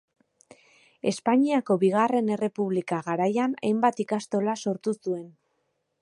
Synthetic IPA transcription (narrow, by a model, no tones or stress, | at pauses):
e̞spaɲiako̞βiɣ̞are̞ne̞re̞puβlikaɣaɾajana̰jmbat̪ikast̪o̞laso̞ɾt̪usue̞n